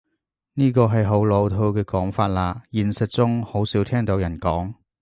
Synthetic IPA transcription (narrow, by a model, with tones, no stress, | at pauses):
niː˥kɔː˧ɦɐ˨jɦo˨˥wlo˨˧wt̪ʰo˧wkɛː˧kɔː˨˥ŋfaː˧t̚laː˧jiː˨˧nsɐ˨t̚t͡sʊ˥ŋho˨˥wsiː˨˥wt̪ʰɛː˥ŋt̪o˨˥wjɐ˨˩nkɔː˨˥ŋ